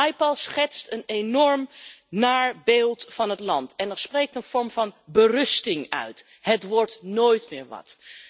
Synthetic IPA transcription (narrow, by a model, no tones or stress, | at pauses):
jpɔlˠsχɛtstənenɔɹmnaːɹbeːlˠtfɑnɦətlɑntɛnɛɹsprejk̚tənv̥ɔɹmvɑnbərɵstɪŋœ̰ɥt | hətʋɔɹtnoːjtmɪ̰ːɹʋɑ̰t